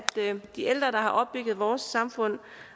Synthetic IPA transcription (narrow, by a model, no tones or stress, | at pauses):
d̥d̥ield̥ʁɐːɾ̥ɑ̈ɦɑ̈ʔɒ̽b̥yɡ̥ð̩ˠʋɒːsɑ̈mfɔ̽n̰